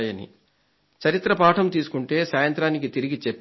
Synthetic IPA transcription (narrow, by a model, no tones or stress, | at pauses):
jɐnḭ | t͡ʃɐɾit̪ɾɐpaːʈʰɐmt̪iːsu̥kuɳʈe̞ːsaːjɐnt̪ɾaːnik̬it̪iɾiɡit͡ʃepː